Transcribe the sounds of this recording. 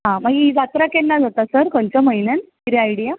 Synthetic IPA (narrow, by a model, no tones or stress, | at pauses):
ɦãmaɡid͡zat̪ɾakenːad͡zat̪asəɾkont͡ɕəməjnənkiɾiajɽija